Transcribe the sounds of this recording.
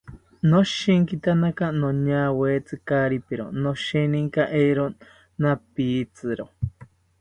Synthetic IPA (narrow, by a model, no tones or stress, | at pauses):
nõʃiŋkit̪anakanõɲaːweːt͡sɨkaɾipiɾo̰nõʃinĩŋkaʔejɾo | napiːt͡sɨɾo